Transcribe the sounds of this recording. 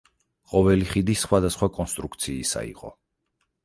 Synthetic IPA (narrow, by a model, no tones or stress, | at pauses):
qʼɔvɛliχid̪isχwad̪asχwakʼɔnst̪ʼɾukʰt̪sʰiːsa̰ḭqʼɔ̰